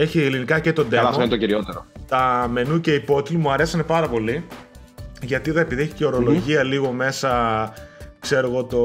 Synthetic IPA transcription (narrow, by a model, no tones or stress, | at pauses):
e̞çielinikɐce̞t̪o̞d̪elɐfent̪ociɾio̞t̪eɾot̪ɐme̞nucɐipo̞t̪limuɐɾe̞sɐne̞pɐɾɐpo̞li | ʝɐt̪iðɐepiðieçi̥ceo̞ɾo̞lo̞ʝiɐliɣo̞me̞sɐ | kse̞ɾo̞ɣo̞t̪o̞